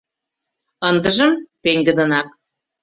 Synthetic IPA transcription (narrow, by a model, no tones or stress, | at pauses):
ənd̪əʒə̆mpeŋɡə̆d̪ə̆nɑk̚